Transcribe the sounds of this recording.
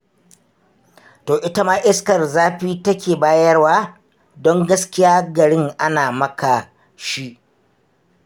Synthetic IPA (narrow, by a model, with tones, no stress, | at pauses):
toː˨ʔɪ˦tɐ˦maː˦ʔɪ˦skɐ˨rzaː˦ɸiː˦tɐ˦kʲeː˨baː˦jɐ˦rwaː˦ | dɔ˦ŋɡɐ˦skʲɪ˦jaː˦ɡɐ˨ɽɪ˦ŋʔa˦naː˨mɐ˦ka˨ | ʃi˦ʔ